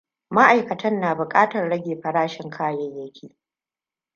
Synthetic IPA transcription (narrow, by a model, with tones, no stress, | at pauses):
ma˦ʔa˨jkɐ˨tɐ˦nːaː˨bʊ˨kʼaː˦tɐ˨rɽɐ˦ɡʲeː˨ɸɐ˨ɽaː˦ʃɪ˨ŋkʰaː˦jɐ˦jjːɐ˦kʲʰiː˦